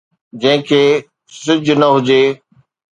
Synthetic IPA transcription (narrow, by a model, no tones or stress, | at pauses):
d͡ʑɐ̃ɦɪ̃kʰeː | sɪd͡ʑʱnɐɦʊd͡ʑeː